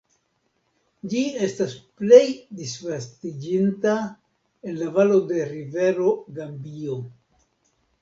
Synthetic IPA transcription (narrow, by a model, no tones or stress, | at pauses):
d͡ʒie̞stasple̞jdisvastid͡ʒinta | enlavalo̞de̞ɾive̞ɾo̞ɡambio̞